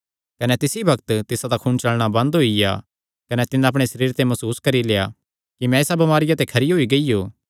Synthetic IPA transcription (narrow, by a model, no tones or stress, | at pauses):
kɐnɛt̪ɪsibʱɐkt̪t̪ɪsat̪akʰuːnt͡ʃɐlɽ̃abɐ̃nd̪ɦoija̰ | kɐnɛt̪ɪnãɐp̬ɽ̃esɐɾiːɾt̪emɐsuːskɐɾileːa̰ | kimɛ̃eːsabɐmaːɾɪjat̪ekʰɐɾiɦoːiɡɐijoː